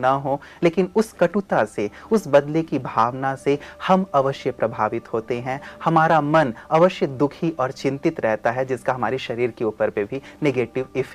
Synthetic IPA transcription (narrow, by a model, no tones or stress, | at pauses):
nɐɦõːleːkɪnʊskɐʈut̪aseʊsbɐd̪lekibʱaːʋnasehɐmɐʋəʃjəpɾɐbʱaːʋɪt̪ɦoːt̪eɦɛ̃hɐmaːɾamɐnɐʋəʃjəd̪ʊkʰiʔɔːɾt͡ʃɪ̃nt̪ɪt̪ɾɛɦt̪aɦɛd͡ʒɪskaɦɐma̰ːɾiʃɐɾiːɾkeuːpəɾpebʱineɡeːʈɪʋɪf